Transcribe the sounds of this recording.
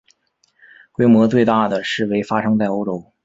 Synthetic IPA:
kwe˥ɪmwɔ˧˥t͡swe˥˧ɪt̪a˥˩d̪ə˩ʂɻ̩˥˩we˥˩ɪfa˥ʂɤ˥ŋt͡sa˥˩ɪo˥ʊʈ͡ʂo˧˥ʊ

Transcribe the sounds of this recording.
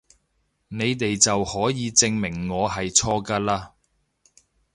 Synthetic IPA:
ne˨˧jt̪e˨jt͡sɐ˨whɔː˨˥jiː˨˧t͡sɪ˧ŋmɪ˨˩ŋːɔː˨˧ɦɐ˨jt͡sʰɔː˥kɐ˥laː˥

